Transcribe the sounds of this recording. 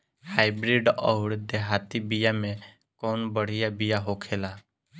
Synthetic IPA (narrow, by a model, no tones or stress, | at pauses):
haːɪbɾiːɖɔʊɽd̪eɦaːt̪ibɪjaːmẽ | koːnbəɽ̤ɪjabɪjaɦoːkʰeːlaː